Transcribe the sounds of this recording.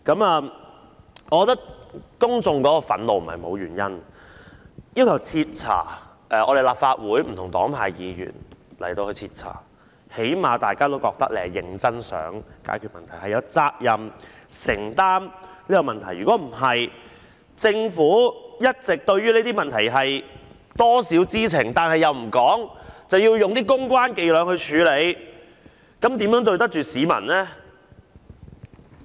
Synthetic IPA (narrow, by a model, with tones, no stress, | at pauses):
kɐ˨˥maː˨˧ | ɔ˨˧kɔ˨˧t̪ɐ˥k̚kʊ˥ŋt͡sʊ˧ŋkɔː˨˦˥kɔː˧fɐ˨˥nlo˨wm̩˨˩˨hɐ̰˨jmo˨˧wjyː˨˩njɐ˥n | jiː˥wkʰɐ˨˩wt͡sʰi˧t̚t͡sʰa̰ː˨˩ | ʔɛ˨˧ʔɔ̰ː˨˧ɾe˨jlaː˨p̚faː˧t̚wuː˨˥jm̩ʰ˨˩ʊ˨˩ŋt̪ɔ̰ː˨˥ŋpʰaː˧jjiː˨˧jy̰ː˨˩nlɐ̰˨˩jt̪o˧wkɵ˧ɥt͡sʰiː˧t̚t͡sʰa̰ː˨˩ | he˨˥jmaː˨t̪aː˨jkaː˥t̪o˥wkɔː˧k̚t̪ɐ˥k̚le˨˧˨jɪ˨˧ŋt͡sɐ˥nsœ̰ː˨˥ŋka̰ː˨˥jkʰy˨t̚mɐ˨nt̪ʰɐ˨˩jhɐ˨jɐ˨˧wt͡saː˧k̚jɐ˨m | sɪ̰˨˩ŋt̪aː˥mliː˥jɐ˨˧mɐ˨nt̪ʰɐ˨˩jɥyː˨kɔː˨˥m̩˨˩ɦɐ˨j | t͡sɪ˧ŋfuː˨˥jɐ˥t̚t͡sɪ˨k̚t̪ɵ˧ɥɥyː˥le˨˥t̪i˥mɐ˨nt̪ʰɐ˨˩jɦɐ˨j | t̪ɔː˥siː˨˥wt͡siː˥t͡sʰɪ˨˩ŋt̪aː˨nhɐ˨jɐ˨wm̩˨˩kɔː˨˥ŋt͡sɐ˨wjiː˧wjʊ˨ŋt̪iː˥k̬ʊ˥ŋkwaː˥nke˨˧jlœː˨˧ŋhɵ˧ɥt͡ʃʰyː˨˧le˨˧j | kɐ˨˥mt̪iː˨˥mjœː˨˥ŋt̪ɵ˧ɥt̪ɐ˥k̚t͡ʃyː˨siː˨˥mɐ̰˨˩nlɛː˥